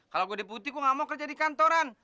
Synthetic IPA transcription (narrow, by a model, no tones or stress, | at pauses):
kaloɡudiput̪ikuŋamɔŋkərd͡ʒadikant̪ɔɾan